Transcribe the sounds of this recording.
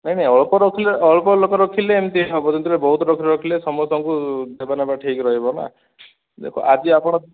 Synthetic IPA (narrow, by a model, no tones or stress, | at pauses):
naɦinajɔɭpɔɾɔkʰileɔɭɔpɔlokɔɾɔkʰileːmt̪ibɔbɔd͡ʒɔnt̪ʰilebɔɦut̪ɔɾɔkʰiɾɔkʰilesɔmɔɔsɔŋkud̪ebanepaʈʰikɾɔɦibɔna̰ | d̪ḛkʰɔ̰ʔad͡ʒiapɔɽ̃ɔ